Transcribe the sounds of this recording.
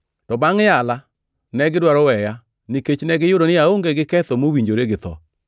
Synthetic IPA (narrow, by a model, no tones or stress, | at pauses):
tɔbaŋjala | nɛɡɪdwaɾɔwɛja | niket͡ʃnɛɡɪjʊɾonɪaoŋɡeɡɪkɛt̪omowiɲd͡ʒoɾeɡɪt̪ɔ̰